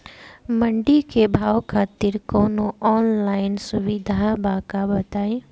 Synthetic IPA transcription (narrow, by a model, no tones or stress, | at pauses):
mɐ̃ɳɖikebʱaːʋkʰaːt̪iɾkoːnoɔːnlaːɪnsʊʋid̪ʱabakabɐt̪aːe